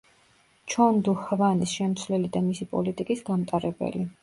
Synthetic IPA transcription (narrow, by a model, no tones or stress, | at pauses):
t͡ʃʰɔnd̪uhvanisʃɛmt̪sʰwvlɛlid̪amisipʼɔ̰lit̪ʼikʼisɡamt̪ʼaɾɛbɛ̰li